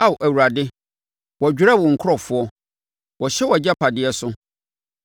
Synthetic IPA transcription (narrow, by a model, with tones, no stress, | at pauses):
a˦˨wʔæ˨wu˨ɾa˨dɪ˦ | wɔ˨d͡ʑᶣʊ˦ɾa˦˨wɔ̃˨ŋ̩˨kʰʊ˦ɾɔ˨fʊ˦ɔ˦ | wɔ˨ɕɛ˦wɔ˨d͡ʑa˦pʰa˨dɪ˨˦ɛ˦sʊ˦